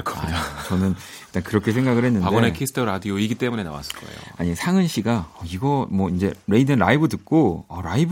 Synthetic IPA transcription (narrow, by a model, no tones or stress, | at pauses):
kʰat͡ɕʌnɯn | iɭt͈ankɯɾʌkʰe̞s̬ʰeŋɡaɡɯɭhe̞nːɯnadeɡonekʰisʰɯ̥tʰɯɾadioiɡit͈e̞mune̞na̰wa̰s͈ɯ̥ɭk͈ʌ̰ḛjo̰aɲisʰaŋɯnɕʰiɡaʌiɡʌmwʌind͡ʑe̞ɾe̞idɯnɾaibɯɭtɯk̚k͈oʌɾaib